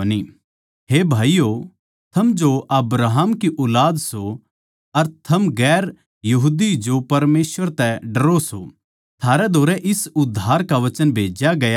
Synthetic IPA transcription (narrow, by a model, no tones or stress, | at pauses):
ni | ɦeːbʱaːijo | t̪ʰɐmd͡ʒoʔɐbɾaːɦəmkiʔʊːlaːd̪so | ɐɾt̪ʰɐmɡɛːɾ | jɐɦud̪id͡ʒopɐɾmeːsʋəɾt̪ɛɖɐɾoso | t̪ʰaːɾɛd̪ʱoːɾɛʔɪsʊd̪ʱːaːɾkaʋɐt͡ʃənbʱeːd͡ʒjaɡɐja